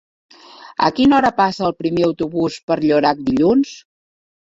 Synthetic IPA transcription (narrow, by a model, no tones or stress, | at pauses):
ə̰kinɔɾəpasəːlˠpɾimeəwt̪uβuspəɾʎoɾak̚d̪iʎuns